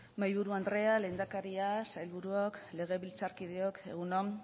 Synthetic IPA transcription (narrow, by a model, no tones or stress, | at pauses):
majβuɾuand̪ɾe̞ale̞nd̪akaɾiasajlβuɾuokle̞ɣ̞e̞βilt͡saɾkiðeoke̞̰ɣuno